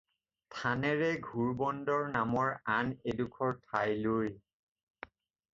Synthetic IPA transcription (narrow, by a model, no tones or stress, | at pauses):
tʰanɛɹɛɡʱuɹbɔndɔɹnamɔɹanedukʰɔɹtʰajloj